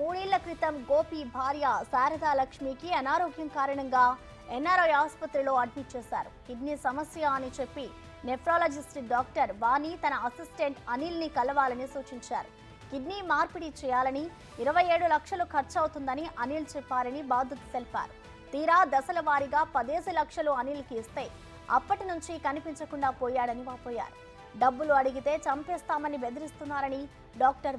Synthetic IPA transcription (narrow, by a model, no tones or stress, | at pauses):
muːɽiːlːɐkɾit̪ɐmɡoːpibʱaːɾjasaːɾɐd̪aːlɐkʂmiːkiɐnaːɾoːɡjɐmkaːɾɐɳɐŋɡaː | ɛnːaːɾɐjaːspɐt̪ɾilo̞ːɐɖmiʈ̚t͡ʃɛːsa̰ːɾukiɖnisɐmɐsjaːnit͡ʃe̞pːi | nepɾoːlɐːd͡ʒisʈiɖaːk̚ʈɐɾʋaːnːit̪ɐnɐɐsisʈeɳʈɐniːlnikɐlɐʋaːlɐnisuːt͡ʃiɲt͡ʃaːɾu | kiɖniːmaːɾpiɽit͡ʃɛːjaːlɐni | iɾɐʋɐjeːɽulɐkʂɐlukʰɐɾt͡ʃɐwt̪und̪ɐniʔɐniːlt͡ʃɛpːaːlɐnibaːd̪ʱut̪u̥selpa̰ːɾu | t̪iːɾaːd̪ɐsɐlɐʋaːɾiɡaːpɐd̪eːsilɐkʂɐluɐniːlɐkiːst̪e̞ː | ɐ̰pːɐʈinuɲt͡ʃikɐnipiɲt͡ʃɐkuɳɖaːpoːjaːɽɐniʋaːpoːja̰ːɾu | ɖɐbːuluɐɽuɡit̪e̞ːt͡ʃɐmpɛːst̪aːmɐnibed̪ɐɾist̪unːaːɾɐni | ɖaːk̚ʈɐɾ